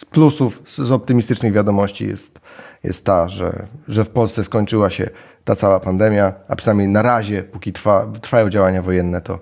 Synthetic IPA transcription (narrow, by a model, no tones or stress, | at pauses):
splusufzɔp̚t̪ɘmʲist̪ɘt͡ʂnɘɣvʲjad̪ɔmɔɕt͡ɕḭjɛ̰st̪ | jɛ̰st̪ːaʐɛ̰ʐɛfpɔlssɛskɔɲt͡ʂɘwaɕɛ̰ | t̪at̪sawapand̪ɛmʲjaapʂɨnamʲejnaɾaʑɛpukʲit̪ɾfat̪ɾfajɔ̃w̃d͡ʑawaɲavɔjɛnːɛt̪ɔ̰